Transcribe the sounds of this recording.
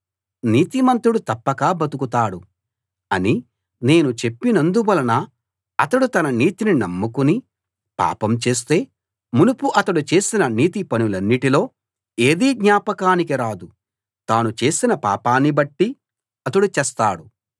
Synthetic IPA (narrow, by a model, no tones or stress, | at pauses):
niːt̪imɐnt̪ɾuɽut̪ɐpːɐkaːbɐt̪ukut̪aːɽu | ɐni | ne̞ːnut͡ʃe̞pːinɐnd̪uʋɐlɐnɐː | ɐt̪ɐɽut̪ɐnɐniːt̪ininɐmːukuni | pa̰ːpɐmt͡ʃe̞ːs̬t̪e̞ː | munupuʔɐt̪ɐɽut͡ʃe̞ːsinɐniːt̪ipɐnulɐnːiʈilo̞ː | eːd̪iːɡɲaːpɐkaːnikiɾaːd̪u | t̪aːnut͡ʃe̞ːsinɐpa̰ːpaːnːibɐʈːi | ɐt̪ɐɽut͡ʃɛːst̪aːɽu